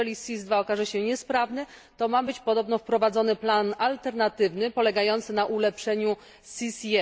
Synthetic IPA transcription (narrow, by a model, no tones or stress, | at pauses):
ɛisʲizd̪vaɔkaʐɛɕɛɲɛspɾavnɘt̪ɔmabɘt͡ɕpɔd̪ɔbnɔfpɾɔvad̪zɔnɘplanalt̪ɛɾnat̪ɘvnɘpɔlɛɡajɔnt̪sɘnaʔulɛpʂɛɲu | sʲisjɛ